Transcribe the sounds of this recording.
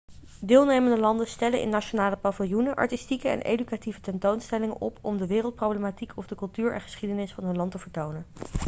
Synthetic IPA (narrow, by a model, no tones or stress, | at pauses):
dɪːlˠnejməndəlɑndənstɛlənʔɪ̰nːat͡ʃonaːləpavɪlˠjunəʔɑ̰ɹtistikəɛ̰nʔḛjdykativətɛntownstɛlɪŋənʔɔ̰pɔmdəʋɪːrəlˠt̚prowblematikʰɔvdəkɵlˠtyːɹʔɛ̰nχə̥sχidənɪsfɑnɦɵnlɑntəvəɹtownən